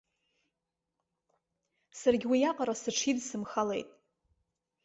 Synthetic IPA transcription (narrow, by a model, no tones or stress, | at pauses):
sarɡʲwijaqʼaɾasɨʈ͡ʂʰidsɨmχalḛjtʼ